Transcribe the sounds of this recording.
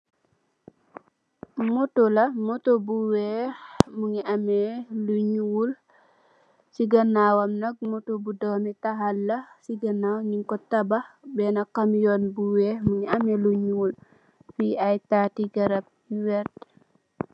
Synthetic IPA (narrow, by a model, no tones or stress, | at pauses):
motolɐmotobuwɛmuŋiamɛluɲuwul | siɡanːawamnɐɡ̚motobudɔwmɛtaɦalːasiɡanawɲiŋkɔtabahbɛnakamjɔnbuwɛmuŋiamɛluɲuwul | fiajtatiɡɐɾap̚ | wɛt̚